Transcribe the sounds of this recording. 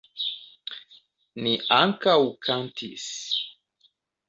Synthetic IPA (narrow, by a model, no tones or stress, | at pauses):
niʔaŋkawkʰantʰḭs